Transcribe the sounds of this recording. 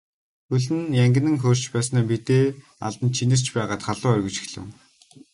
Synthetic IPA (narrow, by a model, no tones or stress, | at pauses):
xɵɮɘ̆njæŋɡʲɘ̆nɘ̆ŋxoːr̥t͡ɕpæːsnæːpit̪eː | a̰ɮt̪ə̆nt͡ɕʰinɘ̆r̥t͡ɕpæːʁaːt̪χaɮʊːœrɣɵ̆t͡ɕɪ̥̆xɮɘ̰̆w